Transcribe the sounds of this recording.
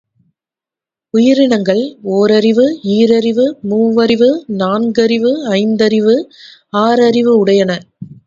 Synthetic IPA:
ʊjɪɾɪnɐŋɡɐɭoːɾɐɾɪʋɯiːɾɐɾɪʋɯmuːʋɐɾɪʋɯnaːnɡɐɾɪʋɯɐɪnd̪ɐɾɪʋɯaːɾɐɾɪʋɯʊɽɐjɐnɐ

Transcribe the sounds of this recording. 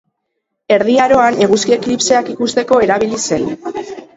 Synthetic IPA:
e̞ɾðiaɾo̞ane̞ɣuskieklipseakikust̪e̞ko̞e̞ɾaβilise̞n

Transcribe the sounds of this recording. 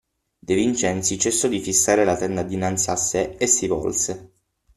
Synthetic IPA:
d̪evint͡ʃɛnt̪sit͡ʃɛsːod̪ifisːaːɾelat̪ɛnd̪ad̪inant̪siasːeesːivɔ̰lse

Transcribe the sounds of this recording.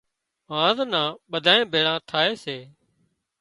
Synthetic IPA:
ɦãːznãːɓəd̪ʱaːẽːbʱeːɽãːt̪ʰaːeːseː

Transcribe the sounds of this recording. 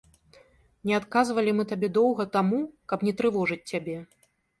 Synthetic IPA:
nʲɛat̪kazvɐlʲimɨt̪abʲɛd̪ɔwɣɐt̪amukɐpnʲɛt̪ɾɨvɔʐɨt͡sʲːabʲɛ

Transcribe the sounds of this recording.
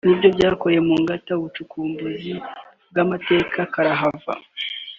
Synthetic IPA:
nibɟo̞bɟaːko̞je̞muːŋɡatauβut͡ʃukʰuːmbuzi | b̚ɡamate̞ːkʰakaɾaɦava̰

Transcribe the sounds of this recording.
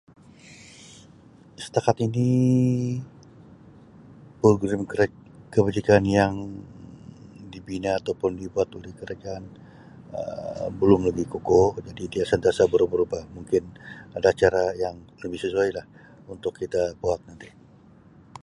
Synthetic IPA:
sə̥t̪akat̪ini | polɡɾɪmkkəbad͡ʒikanjaŋ | dibinaːt̪awpʊndibuat̪olɪhkəɾad͡ʒaːn | ə̰bəlʊmləbɪhkukod͡ʒadidiasant̪iasabəɾubəɾubahmuŋkɪnadaːt͡ʃaɾajaŋləbɪhsəsuajlah | unt̪ʊkʰːit̪abuat̪̚nant̪i

